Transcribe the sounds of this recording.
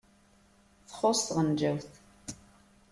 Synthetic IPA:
θχost̪ʁənd͡ʒæwθ

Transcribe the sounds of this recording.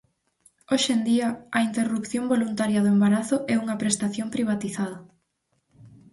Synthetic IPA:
oʃend̪iɐɐint̪erupθjombolunt̪aɾjɐðʊembaɾaθʊʔɛuŋɐpɾest̪aθjompɾiβ̞at̪iθaðɐ

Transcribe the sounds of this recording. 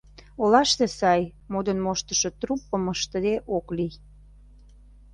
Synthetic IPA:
olɑʃt̪esɑj | mod̪ənmoʃt̪ə̥ʃŏt̪ɾupːəməʃt̪əd̪eʔoklij

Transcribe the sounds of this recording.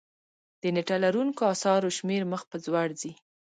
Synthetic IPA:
d̪̥əneʈalaɾuŋkoɑsɑɾoʃmeɾməxpəzwaɽzi

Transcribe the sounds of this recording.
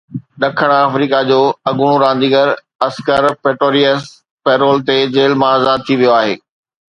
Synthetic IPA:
ɗɐkʰəɽ̃aːfɾiːkad͡ʑoːɐɠʊɽ̃oɾãːn̆d̪iːɡəɾ | ɐskəɾpeːʈɾoːɾiəs | pɛːɾoːlt̪ed͡ʑeːlmaːzaːd̪̚t̪ʰiʋijoaːɦḛː

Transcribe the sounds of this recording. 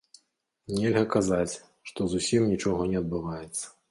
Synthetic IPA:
nʲɛlʲɣɐkazat͡sʲ | ʂt̪ɔzusʲimnʲit͡ʂɔɣɔnʲɛɐd̪̚bɨvajɛt̪sːɐ̥

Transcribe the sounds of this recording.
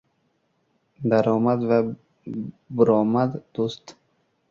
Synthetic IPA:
d̪aɾɔːmad̪va | bʊɾɔːmad̪d̪̥ust̪

